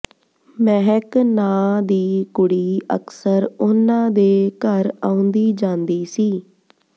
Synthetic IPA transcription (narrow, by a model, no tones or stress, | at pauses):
mɛɦɛknãːd̪iːkʊɽiːə̰ksəɾʊnãːd̪eːkəɾaːũnd̪iːd͡ʒãːnd̪iːsiː